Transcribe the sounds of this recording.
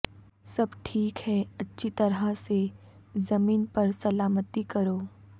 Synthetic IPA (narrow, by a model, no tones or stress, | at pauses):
sɐbʈʰiːkɦɛɐtːʃʰit̪ɐɾase | zɐmiːnpɐɾsɐlaːmət̪ikɐɾoː